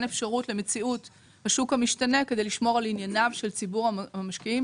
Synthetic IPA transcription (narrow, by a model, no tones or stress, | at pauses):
nefʃaʁutle̞me̞t͡siut | haʃukamiʃtane̞ke̞dejliʃmo̞ʁalinjanavʃelt͡sibuʁamaʃkiim